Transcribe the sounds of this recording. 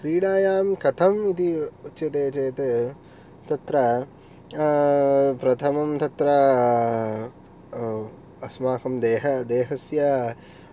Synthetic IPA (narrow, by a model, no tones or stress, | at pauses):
kɾiːɽaːjaːmkɐt̪ʰɐmit̪iutːʃjɐt̪eːt͡ʃeːt̪e | t̪ɐt̪ɾɐ | pɾɐt̪ʰɐmɐmt̪ɐt̪ɾɐ | ɐsmaːkɐmd̪eːɦɐd̪eːɦɐsja